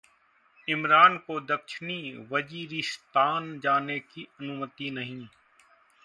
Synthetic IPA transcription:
ɪmɾaːnkod̪əkʃɪniːʋəziːɾist̪aːnd͡ʒaːnekiɐnʊmət̪inəɦĩː

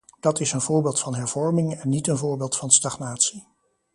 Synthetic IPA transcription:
d̥ɑtɪsənvʊːɹbeːlˠtfɑnɦɛɹv̥ɔɹmɪŋɛnːitənvʊːɹbeːlˠtfɑnstɑχnaːtsi

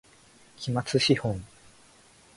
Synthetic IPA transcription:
kʲʰimat͡sɨɕihõŋ

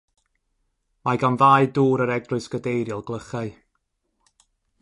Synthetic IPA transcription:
majɡanvaːjduːɾəɾɛɡrʊɨsɡ̥ədejɾjɪlˠɡlˠəχaɨ

